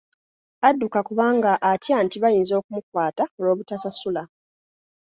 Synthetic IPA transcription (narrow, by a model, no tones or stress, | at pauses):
adːukakuβaːŋɡaʔːtjaːntiβajiːnzo̞ːkumukwaːtaolo̞ːβutasasula